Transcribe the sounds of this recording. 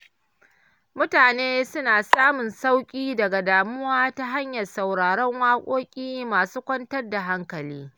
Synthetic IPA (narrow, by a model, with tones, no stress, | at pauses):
mʊ˦taː˨neː˦sʊ˦naː˨saː˦mʊ˨nsa˦wkʲʼiː˦dɐ˨ɡa˨daː˨mʊ˦waː˦ta˦ɦa˦ɲjɐ˨rsa˨wɽaː˨ɽɔ˦ŋwaː˦kʷʼoː˦kʲʼiː˦maː˨suː˦kʷɐ˦ntɐ˦rda˨ɦa˦ŋkɐ˨liː˦